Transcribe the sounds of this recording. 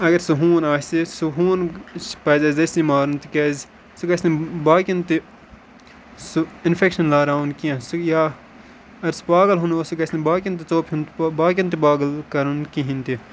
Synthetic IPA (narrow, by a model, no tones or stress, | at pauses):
ɐɡɐɾsuɦũːnaːst̪isuɦũːnpɐːzɐzɐsʲimaːɾunt̪ikeːz | sukɐsnibaːkʲint̪i | suɪnfʰekʃɐnlaːɾaːunkiãsujaː | ɐɐɾsu̥paːɡɐlɦunosukɐsnibaːkʲint̪̬it͡soːpɦunt̪baːk̬ʲɐnt̪̬ipaːɡɐlkɐɾunkiɦint̪i